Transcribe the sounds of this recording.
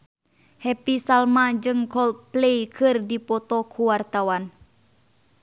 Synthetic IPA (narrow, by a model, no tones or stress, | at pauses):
hɛpisalmad͡ʒɨŋkɔl̚plejkʰɨrdipɔt̪ɔkʰuwart̪awan